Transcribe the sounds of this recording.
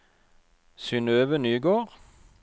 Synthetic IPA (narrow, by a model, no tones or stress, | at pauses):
sʏnøːʋənyːɡoːʁ